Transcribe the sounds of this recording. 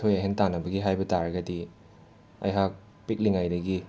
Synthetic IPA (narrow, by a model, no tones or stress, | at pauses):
tʰojɐɦentanɐbɐɡiɦajbɐtaɾɐɡɐdi | ɐ̰jɦak̚ | pik̚liŋajdɐɡi